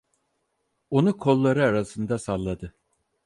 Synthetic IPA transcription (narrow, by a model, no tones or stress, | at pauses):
o̞nukʰo̞lˠːaɾɯaɾasɯnd̪asalˠːad̪ɯ